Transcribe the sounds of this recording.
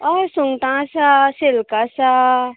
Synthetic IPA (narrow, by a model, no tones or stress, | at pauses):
ɔsuŋɡʈãsaselkasa